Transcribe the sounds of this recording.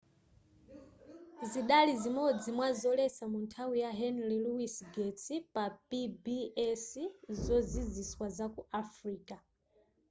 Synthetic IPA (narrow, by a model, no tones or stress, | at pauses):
ziɗalizimɔd͡zimwazɔlɛsamuntʰawijaɦɛnliluwisɡɛt͡sipapibiɛsizɔziziswazakuafɾiːka